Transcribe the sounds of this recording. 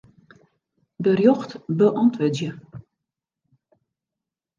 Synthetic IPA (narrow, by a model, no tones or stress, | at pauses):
dərjɔxtbəʔɔntʋødjə